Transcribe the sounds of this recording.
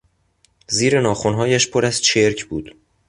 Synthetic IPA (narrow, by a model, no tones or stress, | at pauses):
ziːɾe̞nɒːxonɦɒːjæʃpʰoɾæz̥t͡ʃʰeɾcʰbuːd̪̥